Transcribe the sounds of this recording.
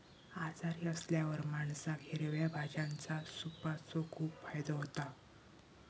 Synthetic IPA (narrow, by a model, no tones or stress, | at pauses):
ad͡zaɾiːəsljaʋəɾmaɳsaɡʱeɾʋjabʱad͡ʑãnt͡sasupat͡sɔkʰuːpfajd̪əɦot̪a